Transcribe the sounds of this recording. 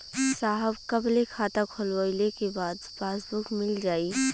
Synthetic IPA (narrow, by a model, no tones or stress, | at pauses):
saɦəbkəblekʰat̪akʰolʋəɪlekebaːd̪paːsbukmɪld͡ʒaːi